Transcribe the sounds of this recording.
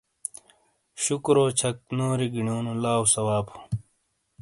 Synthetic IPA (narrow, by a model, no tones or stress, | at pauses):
ɕukɾoːt͡ɕʰɐk̚noːɾiɡinoːnulaːwsɐwaːpu̥